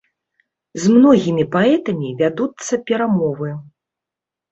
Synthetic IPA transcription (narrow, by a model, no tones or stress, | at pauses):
zmnɔɣʲimʲipaɛt̪ɐmʲivʲad̪ut̪sːɐpʲɛɾamɔvɨ